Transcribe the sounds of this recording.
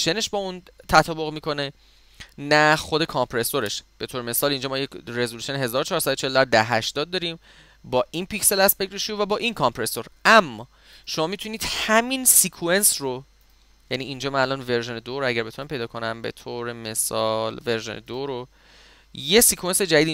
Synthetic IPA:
ʃene̞ʃbɒːun | t̪ʰæt̪ʰɒːboɣmiko̞ne̞ | næxod̪e̞kʰɒmpʰɾe̞so̞ɾe̞ʃb̥e̞t̪ʰoɾeme̞sɒːlind͡ʒɒːmɒːjere̞zolusio̞neɦe̞zɒːɾot͡ʃʰɒːɾsæd̪ot͡ʃʰe̞ld̪æɾd̪æɦæʃt̪ɒːd̪̚d̪ːɒːɾiːm | bɒːʔinpicse̞læsbekɾeʃuvæbɒːʔinkʰɒmpɾe̞so̞ɾæmːɒː | ʃo̞mɒːmit̪ʰuniːd̪̥hæminsikʰue̞nsro | jæniːnd͡ʒɒːmænælɒːnve̞ɾʒe̞ned̪oɾoæɟæɾbe̞t̪unæmpʰe̞jd̪ɒːkʰo̞næmbe̞̰t̪ʰoːɾe̞me̞sɒlve̞ɾʒenʔed̪oɾo | je̞sikʰuensed͡ʒæd̪id̪i

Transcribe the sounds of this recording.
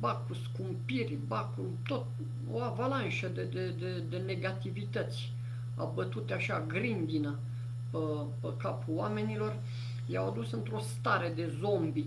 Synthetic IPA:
bakuskumpirʲbaku | t̪ot̪ | o̰avalanʃəd̪ed̪ed̪ed̪e̞ne̞ɡat̪ivit̪ət̪sʲ | a̰bət̪ut̪eaʃaɡɾind̪inə | pə | pəkapuoame̞nilo̞r | jawad̪usɨnt̪ɾo̞st̪aɾe̞d̪e̞zo̞mbi

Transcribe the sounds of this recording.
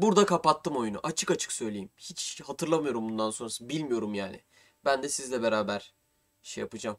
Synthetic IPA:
buɾd̪akʰapat̪ʰːɯmo̞junṵʔat͡ʃʰɯkat͡ʃʰɯksø̞jlʲejimçit͡ʃhat̪ʰɯɾlˠamɯjo̞ɾumbund̪ansonɾasɯbilʲmijo̞ɾumjaːnɪ̰ | bænd̪ɛsizlʲɛbe̞ɾaːbæɾ̥ | ʃejapɯd͡ʒam

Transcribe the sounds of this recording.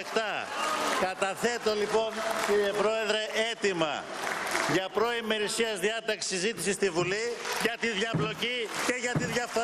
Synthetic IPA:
kt̪ɐkɐt̪ɐθe̞t̪o̞lipo̞nciɾiepɾo̞e̞ðɾe̞ʔe̞t̪imɐ̰ | ʝɐpɾo̞ime̞ɾisiɐzðiɐt̪ɐksi̥sizit̪isist̪ivuliʝɐt̪iðʝɐplo̞cice̞ʝɐt̪iðʝɐfθo

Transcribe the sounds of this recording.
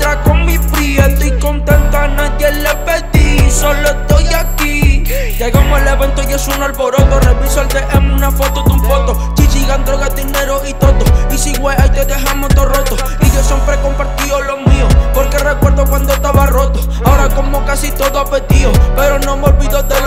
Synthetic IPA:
t̪ɾakomipɾiend̪oiko̞nt̪ẽnt̪anaðje̞lepeðisolest̪ojaki | ʝeɣamoeleβe̞nt̪ojesunalβo̞ɾot̪oreβisalt̪eʔemunafo̞t̪oðuɱfot̪o | t͡ʃisiɣand̪ɾoɣad̪ineɾoʔit̪oðoisiɣweajt̪eðehamot̪orot̪o | iʝo̞sjempɾeko̞mpaɾt̪iolo̞miopoɾke̞rekweɾðokwand̪ost̪aβaro̞t̪o | aoɾako̞mokasit̪o̞ðoapeðiope̞ɾo̞nomolβiðoðe

